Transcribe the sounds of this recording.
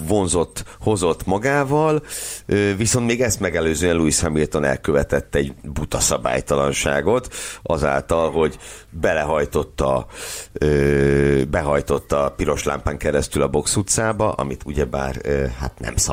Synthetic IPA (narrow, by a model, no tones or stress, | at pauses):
vo̞nzo̞t̪ːho̞zo̞t̪ːmɒɡaːvɒløːviso̞nt̪meːɡɛst̪mɛɡɛløːzøːɛnluishɛmilt̪o̞nɛ̰lkøvɛt̪ɛt̪ːɛɛɟbut̪ɒsɒba̰ːjt̪ɒlɒnʃa̰ːɡo̞t̪ʔɒza̰ːlt̪ɒlɦo̞ɟbɛlɛɦɒjt̪o̞t̪ːɒ̰ | øːbɛɦɒjt̪o̞t̪ːɒpiɾo̞ʃla̰ːmpaːŋkɛɾɛst̪ylɒbo̞ksut̪saːbɒʔɒ̰mit̪uɟɛba̰ːrøha̰t̪nɛ̰msɒ